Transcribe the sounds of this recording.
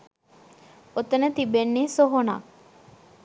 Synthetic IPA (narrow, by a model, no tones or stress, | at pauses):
ot̪ənət̪ibenːiːsoɦona̰